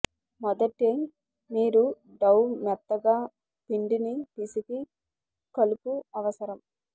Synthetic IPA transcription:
mɔd̪ɐʈːeŋ | miːɾu | ɖɐwmɛt̪ːɐɡaː | piɳɖinipisiki | kɐlupuɐʋɐsɐɾɐm

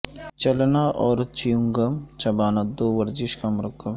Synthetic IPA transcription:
t͡ʃɐlnaʔɔːɾt͡ʃijuŋɡɐmt͡ʃɐbaːnɐd̪oːʋɐɾd͡ʒiʃkamɾɐkːɐm

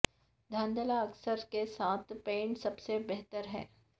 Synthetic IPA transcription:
d̪ʱaːnd̪əlaɐksəɾkesaːt̪ʰpẽːɳʈsɐbsebɛɦt̪əɾɦɛ̰̃ː

